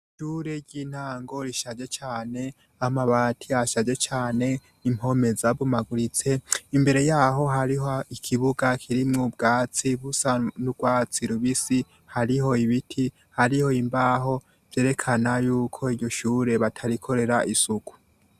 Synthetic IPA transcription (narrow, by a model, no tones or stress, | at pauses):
ʃuːɾe̞ɾɟiːn̥haːŋɡo̞ɾiʃad͡ʒe̞t͡ʃaːne̞ | amaβatʰiaʃad͡ʒe̞t͡ʃaːne̞ | im̥ho̞me̞zaβumaɡuɾit͡se̞imbe̞ɾe̞jaːɦo̞ɦaɾiɦoikʰiβuɡakʰiɾimŋobɡaːt͡siβusanubɡwaːt͡siɾuβisi | haɾiho̞iβitʰi | haɾiho̞imbaːɦo̞ | v̥je̞ːɾe̞kʰanajuːkʰo̞iɾɟo̞ʃuːɾe̞βatʰaɾikʰo̞ɾe̞ɾaʔisuku̥